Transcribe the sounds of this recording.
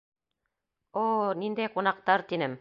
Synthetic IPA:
onind̪æjqunɑq̚t̪ɑɾt̪inɘm

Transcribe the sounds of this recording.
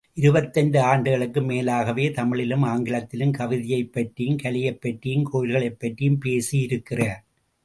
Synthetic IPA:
ʔɪɾɯbɐt̪ːɐnɖɯaːɳɖɯɣɐɭɯkːɯmeːlaːɣɐʋeːt̪ɐmɪɭɪlɯmaːŋɡɪɭɐt̪ːɪlɯmkɐʋɪðɪjɐɪpːɐʈrijɯmkɐɭɪjɐɪpːɐʈrijmkʰoːjɪlɣɐɭɐɪpːɐʈːijɯmpeːsijɪɾɯkːɪrɐ

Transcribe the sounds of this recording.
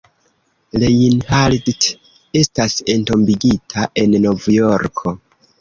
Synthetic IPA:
lejinhaldt | e̞stase̞nto̞mbiɡitʰaʔe̞nːo̞vjo̞ɾkʰo̞

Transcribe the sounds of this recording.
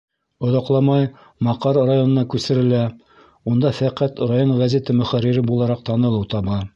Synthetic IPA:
ŏðɑqlˠɑmɑj | mɑqɑɾrajo̞nɤ̆nɑkʉsɘ̆ɾɘ̆læ | und̪ɑfæqæt̪ɾajoɴʁæzet̪ɘmɵ̆χæɾːiɾɘbulˠɑɾɑq̚t̪ɑnɤ̆lˠɤwt̪ɑβɑ

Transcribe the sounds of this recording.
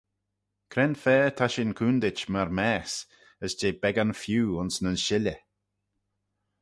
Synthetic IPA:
kʰɾɛnfɛːt̪ʰaʃɪnkʰuːnd̪ɪt͡ʃmaɾmɛːs | əsd͡ʒeːbɛɡanfjuːʊnsnənʃɪlə

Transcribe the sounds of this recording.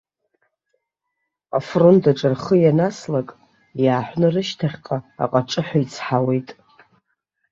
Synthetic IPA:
afrontʰʼaʈ͡ʂʼarχəjanaslakʼ | jaːħʷnɨrɨʃtʰaχʲqʼaa̰qʼaʈ͡ʂʼɨħʷait͡sʰħawe̞jtʼ

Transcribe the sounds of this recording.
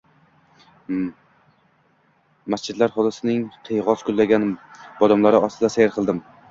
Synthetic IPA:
mast͡ʃʰɪd̪laɾχɒlˠɪsɪnɪŋqʰɨjʁɒzkʰʊlːaɡʲanbɒd̪amlaɾɪɒst̪ɪd̪asajaɾqʰɨlˠd̪ɪm

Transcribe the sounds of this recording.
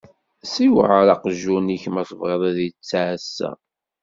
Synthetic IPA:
siwʕəɾɑqʒuniçmæθˤəvʁeðˤæðjt͡sːasːæ̰

